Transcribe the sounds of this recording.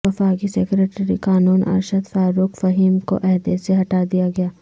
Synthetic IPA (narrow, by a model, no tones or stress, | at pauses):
ɐfaːɡisekɾeːʈɾikaːnuːnʔɐ̰ɾʃəd̪faːɾuːkfɐɦiːmko̰ʔɛɦd̪eseɦɐʈaːd̪ijaɡɐjaː